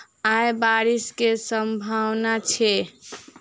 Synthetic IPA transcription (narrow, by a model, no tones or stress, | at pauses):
ajbaɾiskesəmbʱawnat͡ʃʰɛ